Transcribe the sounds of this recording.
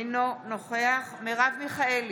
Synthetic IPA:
jnonoχeaχmeʁavmiχael

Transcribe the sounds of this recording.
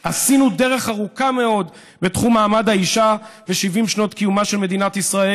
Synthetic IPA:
hasinude̞ʁe̞χaʁukame̞o̞d̪ | be̞tχumːaːmad̪haiʃaveʃivimʃno̞t̪kijumaʃe̞lme̞d̪inat̪isʁae

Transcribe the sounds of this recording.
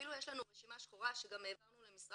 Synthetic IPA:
ilujeʃlanuʁeʃimaʃχoʁaʃeɡame̞ːvaʁnulemisʁ

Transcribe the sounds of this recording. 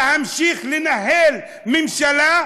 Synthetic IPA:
hamʃiːxlɪnaɦeːl | mɪmʃala

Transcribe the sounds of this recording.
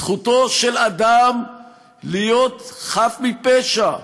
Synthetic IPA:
χut̪o̞ʃelad̪am | lijot̪χafmipeʃa

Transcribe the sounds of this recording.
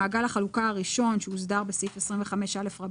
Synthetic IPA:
aːɡalaχalukaaʁiʃo̞nʃeuzdaʁbesifesʁimɱveχameʃelefʁa

